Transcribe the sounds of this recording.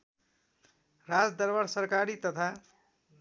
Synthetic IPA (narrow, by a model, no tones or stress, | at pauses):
ɾad͡zd̪ʌɾbaɾsʌɾkaɾit̪ʌt̪ʰa